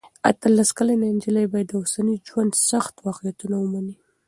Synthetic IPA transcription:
at̪alaskalanand͡ʒəlajbɑjad̪ːəʊsanid͡ʒwand̪saxt̪wɑqijat̪unawəmani

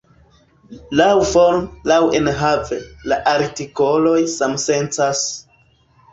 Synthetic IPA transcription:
lawfo̞ɾmlawenɦave̞laʔaɾtiko̞lo̞jsamse̞nt͡sas

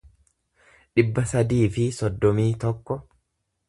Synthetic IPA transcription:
ᶑɪbːɐsɐd̪iːfɪsɔd̪ːɔmiːt̪ɔkːɔ

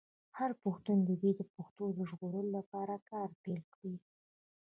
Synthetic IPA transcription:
haɾpuxt̪und̪əd̪ed̪əpʊxt̪od̪əʒɣoɾəlolapɑɾakɑɾpelkɽi

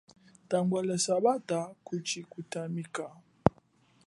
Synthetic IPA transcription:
taŋɡwalɛsaβatakut͡ʃikutamika

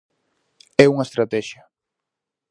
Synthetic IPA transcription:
ɛuŋaest̪ɾat̪ɛʃɐ

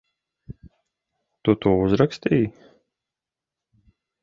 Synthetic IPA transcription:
t̪ut̪uːuzɾakst̪iːj

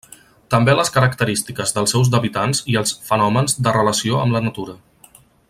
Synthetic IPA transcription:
t̪əmbeləskəɾəkt̪əɾist̪ikəzðəlˠsɛwzðəβit̪anziəlˠsfənɔmənzd̪ərələsioə̰mlənət̪uɾə

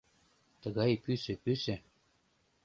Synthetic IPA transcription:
t̪ɤ̆ɣɑjpysɘ̆pysɘ̆

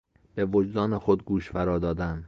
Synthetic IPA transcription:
be̞vod͡ʒd̪ɒːnexod̪ɡuːʃfæɾɒːd̪ɒːd̪æm

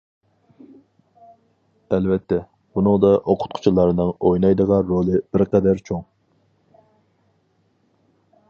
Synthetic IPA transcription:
ɛlvɛt̪ʰːɛ | b̥unɨŋd̪ɑʔoqʰʊ̥t̪̚qʰʊ̥t͡ʃʰilˠɑɾnɨŋojnɑjd̪əʁɑnɾolˠɨbɪɾqɛd̪æɾt͡ʃʰoŋ

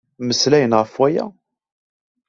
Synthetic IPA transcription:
məslæjənʁəfwæjæ̰

